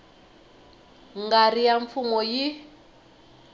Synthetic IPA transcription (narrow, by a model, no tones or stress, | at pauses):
ŋɡarijaɱfumɔji